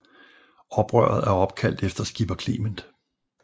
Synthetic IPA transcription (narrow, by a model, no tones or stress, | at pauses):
ɒ̽b̥ʁɶ̰ɐ̰ð̞̩ˠæɐɒ̽b̥kʰæl̰d̥efd̥ɐsɡ̥ib̥ɐkʰlḭːmənd̥